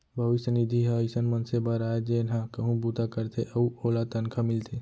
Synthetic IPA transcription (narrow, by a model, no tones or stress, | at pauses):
bʱəʋɪsənid̪ʱiɦəɪsənmənsebəɾaːed͡ʒenɦãkəɦũbut̪akəɾt̪ʰeʔɐuoːlat̪ənkʰamɪlt̪ʰeː